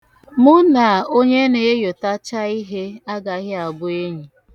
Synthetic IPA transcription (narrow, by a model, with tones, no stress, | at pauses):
mʊ˦na˨o˦ɲe˦ne˨e˦jo˨ta˦t͡ʃa˦i˦ɦe˦a˦ɡa˨˦ɣɪ˦a˨bʊ˦e˦ɲi˨